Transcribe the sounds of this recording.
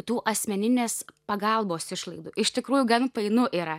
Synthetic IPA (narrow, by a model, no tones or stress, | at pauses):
t̪uːʔɐsʲmʲɛnʲɪnʲeːspɐɡɐlˠboːsɪʃlˠɐɪd̪uːɪʃt̪ʲɪkɾuːjʊɡɐnpɐɪnʊʔiːɾɐ